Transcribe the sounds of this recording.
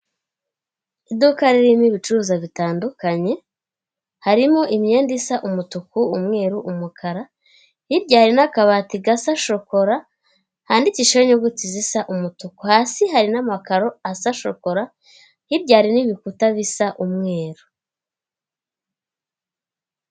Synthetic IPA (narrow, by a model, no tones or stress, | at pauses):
idukaɾeɾimiβit͡ʃuɾuzaβitaːndukaɲe̞ | haɾimoʔimɲe̞ːndisaʔumutukuːmŋe̞ːɾuʔumukʰaɾa | hibɟaːɾinakaβaːtiɡasaʃo̞ko̞ɾa | haːndiciʃoɲoɡutizisaʔumutukuhasiɦaɾinamakaɾo̞asaʃo̞̰ko̞ɾa | hibɟaːɾiniβikutaβisaʔumŋe̞ːɾu̥